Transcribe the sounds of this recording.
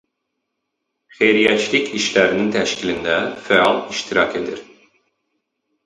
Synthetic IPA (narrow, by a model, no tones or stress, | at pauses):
χejɾijæt͡ʃlicʰiʃlæɾinint̪ʰæʃcʲʰilind̪æfɛɑlˠiʃt̪ʰiɾɑcʰe̞d̪iɾ